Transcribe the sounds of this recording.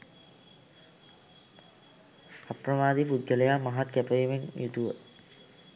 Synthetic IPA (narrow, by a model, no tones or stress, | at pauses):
apɾəmaːd̪ipud̪jələjaːmaɦat̪kæpəʋimenjʔut̪uʋə̰